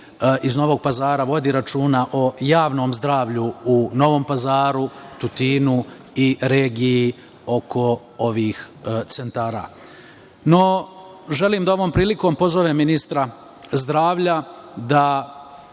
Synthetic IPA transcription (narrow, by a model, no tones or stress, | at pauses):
izno̞ʋo̞ɡ̚pazaːɾaʋo̞d̪iɾat͡ʃuːnaʔo̞jaːʋno̞ːmzd̪ɾaːʋʎuuno̞ʋo̞ːmpazaːɾut̪ut̪iːnu | iɾeːɡiji | o̞kʰo̞ | oʋiːx | t̪se̞nt̪aːɾa̰ː | no̞ | ʒe̞liːmd̪ao̞ʋo̞ːmpɾiːliko̞mpo̞zoʋeminist̪ɾa | zd̪ɾaːʋʎad̪a